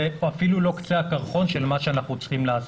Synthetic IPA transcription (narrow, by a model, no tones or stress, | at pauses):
eafilulo̞kt͡seakaʁχo̞nʃelmaʃeanaχnut͡sχimlaas